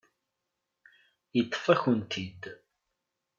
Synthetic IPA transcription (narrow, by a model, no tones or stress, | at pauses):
jət̪ˤːfæçənt̪ʰid̪